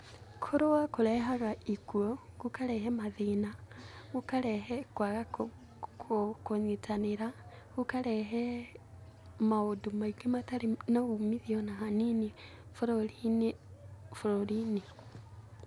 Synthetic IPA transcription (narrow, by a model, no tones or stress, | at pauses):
kʰoɾowakoɾɛɦaɣaikuɔɣukaɾɛɦɛmaðinaɣukaɾɛɦɛkwaɣa | kʰokoɲitʰaneɾa | ɣukaɾɛɦɛ | maodumaiɡemataɾenaɣumiðiɔnaɦanini | foɾɔɾin | foɾɔɾini